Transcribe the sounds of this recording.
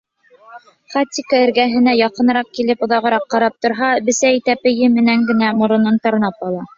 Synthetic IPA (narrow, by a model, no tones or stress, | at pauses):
χat̪ʲːikaɘ̆ɾɡæɦɘ̆næjɑqɤ̆nɾɑq̚kilɘpŏðɑʁɤ̆ɾɑqːɑɾɑp̚t̪ŏɾɦɑbɘ̆sæit̪æpɘ̆jɘmɘ̆næŋɡɘ̆næmŏɾŏnɤɴt̪ɑ̆ɾnɑp̚ɑlˠɑ